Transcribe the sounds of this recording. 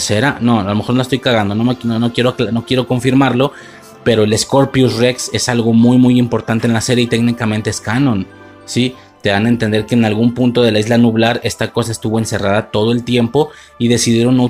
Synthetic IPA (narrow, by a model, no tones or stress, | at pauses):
seɾano̞alomexonolaest̪ojkaɣand̪o̞no̞menonokje̞ɾokno̞kje̞ɾo̞ko̞ɱfiɾmaɾlo̞ | pe̞ɾo̞ele̞sko̞ɾpjusrekse̞salɣo̞mujmujimpo̞ɾt̪ant̪enlase̞ɾje̞it̪eknikamẽnt̪eeskanõ̞n | si | t̪e̞ðanae̞nt̪e̞nd̪e̞ɾkeːnalɣumpunt̪o̞ðe̞laizlanuβlaɾe̞st̪ako̞sae̞st̪uβo̞ense̞raðat̪o̞ð̞oe̞lt̪je̞mpo̞ | iðe̞siðje̞ɾo̞nːo